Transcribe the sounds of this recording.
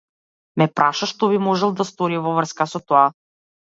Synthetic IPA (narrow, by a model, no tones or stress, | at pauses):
mɛpɾʔaʃaʃt̪ɔbimɔʒɛlˠd̪ast̪ɔɾivɔvr̩skasɔt̪ɔa